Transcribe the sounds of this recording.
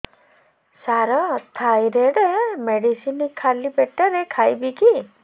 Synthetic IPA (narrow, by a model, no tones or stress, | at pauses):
saɾɔt̪ʰajɾeɽemeɽisinikʰːalibeʈːɔɾekʰajbiki